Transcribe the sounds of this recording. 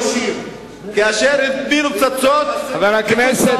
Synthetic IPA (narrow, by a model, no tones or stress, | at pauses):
si | kaaʃeɾit̪binup̚t͡sat͡sot̪avalaknɛse